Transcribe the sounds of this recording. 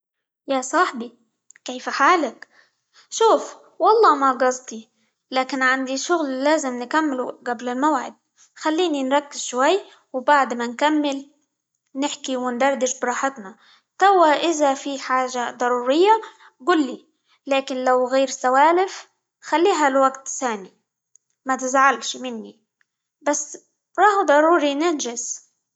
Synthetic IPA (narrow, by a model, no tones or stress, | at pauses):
jasˤɑħbi | keːfaħaːlak | ʃuːf | wɑlˤːɑːmaɡɑzˤt̪ˤi | laːkɪnʕand̪iʃʊɣllaːzɪmnɪkamːɪluɡablɪlmawʕɪ̰d̪̚ | xalːiːninɾˤɑkːɪz̥ʃwajː | wbaʕd̪mankamːɪl | nɪħkiwɪnd̪ɑɾˤd̪ɪʃbɪɾˤɑːħɪt̪na | t̪awːaʔɪzafiħaːʒad̪ˤɑɾˤuːɾɪjːa | ɡulːi | laːkɪnlawɣeːɾsawaːlɪf | xalːiːɦalwaɡt̪saːni | mat̪ɪzʕalʃmɪnːi | basː | ɾˤɑːhd̪ˤɑɾˤuːɾinɪnʒɪs